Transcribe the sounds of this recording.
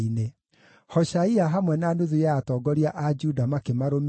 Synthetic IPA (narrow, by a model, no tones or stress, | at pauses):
ine | hɔʃaiaɦamwɛnanoðujaatɔːɡɔɾiaʔad͡ʒudamakemaɾom